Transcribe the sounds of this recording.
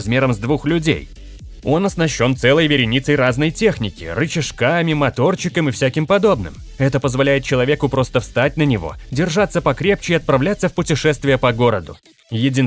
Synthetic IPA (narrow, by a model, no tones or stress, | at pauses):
zmʲe̞ɾəmzd̪vuxlʲʉdʲḛj | o̞nɐsnɐɕːo̞nt̪sɛlˠəjvʲɪɾʲɪnʲit̪səjɾaznəjtʲe̞xnʲɪkʲɪ̰rɨt͡ɕɪʂkamʲɪmɐt̪o̞rt͡ɕːɪkəmɨfsʲækʲɪmpɐd̪o̞bnɨ̰m | ɛt̪əpəzvɐlʲæjɪt̪̚t͡ɕɪlˠɐvʲe̞kʊpɾo̞st̪əfst̪at̚ʲnənʲɪvo̞̰dʲɪrʐat̪sːəpɐkɾʲe̞p̚t͡ɕɪiɐt̪̚pɾɐvlʲat̪səfpʊtʲɪʂɛst̪vʲɪjəpɐɡo̞ɾəd̪ʊ̰ | jɪdʲin